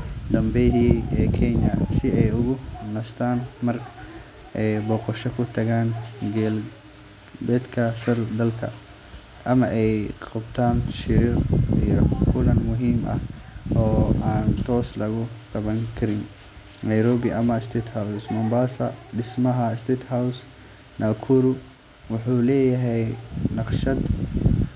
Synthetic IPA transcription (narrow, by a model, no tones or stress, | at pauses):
d̪ɐmbɛjɦiɛːkʰɛnɐsɪɛjʊɣʊnɐst̪ʰaːnmɐr | ʔɛjbɔːqɔʃɐkʰʊt̪ʰɐɣaːnɡɛl | bɛːd̪kʰɐsɐrd̪ɐlkʰɐ̰ | ʔɐmɐʔɛjqɑbt̪ʰaːnʃɪɾiːqḭjɞkʰʊlɐnmʊɦiːmʔɐ̰hɔːaːnt̪ʰɔːslɐɣʊqɑβɐŋkʰɐɾɪn | nɐjɾɔːβɪʔɐmɐst̪ʰɛːt̪hawssmɐmbaːsɐ̰ɖɪsmɐɦɐst̪ʰɛːt̪haws | naːkʰuɾʊ | wʊħuːlɛːjɐɦɛjnɑqʃɐd̪